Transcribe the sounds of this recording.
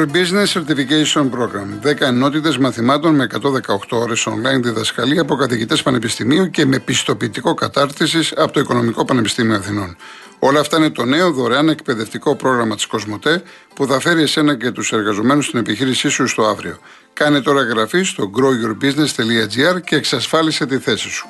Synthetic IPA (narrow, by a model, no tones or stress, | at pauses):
biznesːeɾt̪ificejsio̞npɾo̞ɣɾɐmðekɐeno̞t̪it̪e̞zmɐθimɐt̪o̞nme̞ːkɐt̪o̞ðe̞kɐo̞xt̪o̞o̞ɾe̞so̞̰nlɐinðiðɐskɐliɐp̬o̞kɐθiʝit̪e̞spɐne̞pist̪imiuce̞me̞pist̪o̞piːt̪iko̞kɐt̪ɐɾt̪is̬isɐpot̪o̞iko̞no̞miko̞pɐne̞pi̥st̪imioɐθino̞n | o̞lɐːft̪ɐine̞t̪o̞ne̞oðo̞ɾeɐne̞kpe̞ðe̞ft̪iko̞pɾo̞ɣɾɐmɐt̪i̥sko̞zmo̞t̪e̞ | puθɐfe̞ɾiese̞nɐce̞t̪use̞ɾɣɐzo̞me̞nust̪ine̞piçiɾisisust̪o̞ɐvɾḭo̞̰ | kɐne̞t̪o̞ɾɐɣɾɐfist̪o̞ɡɾo̞ʝoɾbizne̞st̪e̞liɐd͡ziɐɾce̞ːksɐsfɐlise̞t̪iθe̞si̥su̥